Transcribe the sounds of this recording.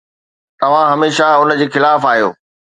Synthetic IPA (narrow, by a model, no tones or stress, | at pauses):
t̪ɐʋ̤ãɦɐmeːʃaʊnd͡ʑeːxɪlaːfaːɦijo̰ː